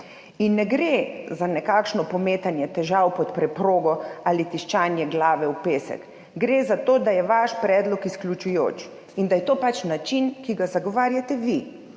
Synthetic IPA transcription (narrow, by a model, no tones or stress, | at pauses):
inːɛɡɾezanɛkakʃnɔpɔmeːt̪anjɛt̪ɛʒawpɔt̪pɾɛpɾoːɡɔalit̪iʃt͡ʃaːnjɛɡlaːʋɛwpeːsɛ̰k | ɡɾezat̪oːd̪ajɛʋaʃpɾɛːd̪lɔkisklʲut͡ʃujo̰ːt͡ʃ | ind̪ajɛt̪oːpat͡ʃnat͡ʃinkiɡazaɡɔʋaːɾjat̪ɛʋi